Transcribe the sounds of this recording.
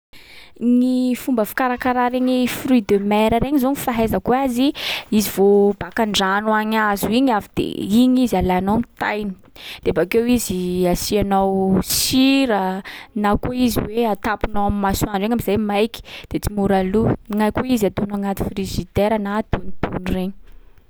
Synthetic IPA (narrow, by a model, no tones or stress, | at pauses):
nifumbəfi̥kaɾakaɾaɾeɲifryid̪əmɛɾəɾeɲizonifaɦezəkuaziizivob̥akaɳɖ͡ʐanuaɲazuiɲavid̪̥ḛiɲizialajanowamit̪ajni̥ | d̪̥eabakewiziasianawsiɾənakuiziweat̪apunawamimasuanɖ͡ʐeŋamizajmajki̥d̪̥et͡simuɾaluŋajkuizat̪unaŋat̪i̥friʒid̪eɾanad̪̥unid̪̥unreɲi